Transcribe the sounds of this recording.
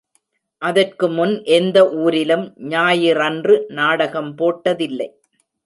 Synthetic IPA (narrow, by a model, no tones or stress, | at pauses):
ʔɐðɐrkɯmʊnʔɛnd̪ɐʔuːɾɪlɯmɲaːjɪɾɐndrɯnaːɽɐɣɐmpoːʈːɐðɪlːɐɪ